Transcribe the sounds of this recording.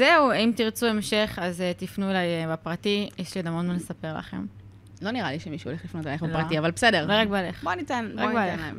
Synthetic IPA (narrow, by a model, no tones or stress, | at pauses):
zeuimt̪iʁt͡suemʃe̞χazet̪ifnuelajbepʁatijeʃliod̪amonmanlesape̞ʁla̰χe̞̰m | lo̞niʁaliʃemiʃuoleχlifnot̪elaeχbelpʁatiavalbesede̞ʁloʁak̚bealeχbonit̪anbaoen